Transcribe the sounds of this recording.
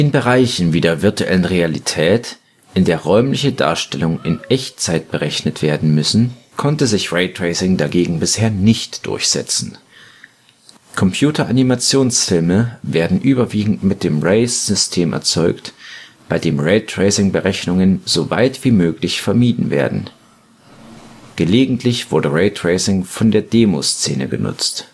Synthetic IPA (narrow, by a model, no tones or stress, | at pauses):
ʔɪnbəʁaɪçn̩viːdeːɐvɪɐtuʔɛ̰lənʁealitʰɛːt | ʔɪndeːɐʁɔʏmlɪçəda̰ːɐʃtɛlʊŋɪnʔɛçt͡saɪt̚b̥əʁɛçnətv̥eːɐdn̩mʏsn̩ | kʰɔntəzɪçʁeɪtʁ̥eɪsɪŋdaɡeːɡŋ̩bɪsheːɐnɪçtd̥ʊ̰ɐçz̥ɛ̰t͡sn̩ | kʰɔmpʰj̥uːtʰɐʔanimat͡sjoːnsfɪlməveːɐdn̩ʔyːbɐviːɡŋ̩tmɪt̚d̥eːmʁeɪsz̥ʏstʰeːmʔɛ̰ɐt͡sɔʏktb̥aɪdeːmʁɛɪtʁ̥eɪsɪŋbəʁɛçnʊŋənz̥ova̰ɪtv̥iːmøːklɪçfɛɐmiːdn̩vḛːɐdn̩ | ɡ̥əleːɡŋ̩tʰlɪçv̥ʊɐdəʁeɪtʁ̥eɪsɪŋfɔndeːɐdeːmo̰st͡seːnə̰ɡə̰nʊ̰t͡st